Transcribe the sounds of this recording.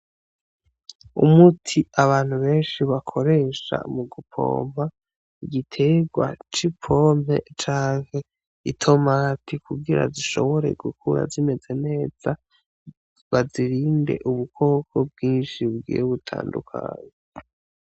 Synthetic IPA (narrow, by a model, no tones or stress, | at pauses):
umutʰiaβaːn̥huβe̞ːnʃiβakʰo̞ɾe̞ːʃa̰muɡupʰo̞̰ːm̥a | iɡitʰe̞ɡwa̰t͡ʃipʰo̞mhe̞̰t͡ʃaːŋ̥he̞ | itʰo̞matʰikuɡiɾa̰ziʃo̞̰βo̞ɾe̞̰ɡukʰuɾa̰zime̞ze̞ne̞ːz̥a | βaziɾiːnde̞̰ʔuβukʰo̞ːkʰo̞b̚ɡiːnʃiɡḭːjoβutʰa̰ːndukʰa̰ːɲe